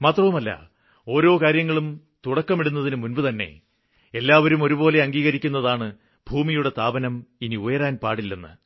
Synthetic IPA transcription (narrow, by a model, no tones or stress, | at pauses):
maːt̪rɐʋumɐlːɐ̰ | o̞ːɾo̞ːkaːɾjɐŋːɐɭum | t̪uɽɐkːɐmiɽunːɐðinɨmunbɨt̪ɐnːe̞̰ | e̞lːaːʋɐɾumo̞ɾubo̞ːle̞ɐŋɡiːɣɐɾikʲːunːɐðaːɳɨ | b̥ʱuːmijuɽe̞t̪aːbɐnɐminiujɐɾaːnpaːɽilːɐnːɨ̰